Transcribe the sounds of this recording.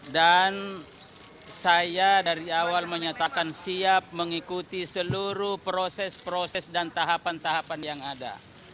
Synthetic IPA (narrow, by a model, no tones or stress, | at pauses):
dan | sajadaɾiawalməɲat̪akansiap̚məŋikut̪isəluɾuhpɾosɛspɾosɛsdant̪aɦapant̪aɦapanjaŋada̰